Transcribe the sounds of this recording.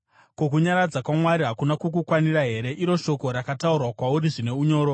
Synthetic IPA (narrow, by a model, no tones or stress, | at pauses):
kok̬uɲaɾad͡zakwamwaɾiɦakunakukukwaniraɦe̞ɾe̞ʔiɾo̞ʃo̞ko̞ɾakataurwakwauɾiʐine̞uɲo̞ːɾo̞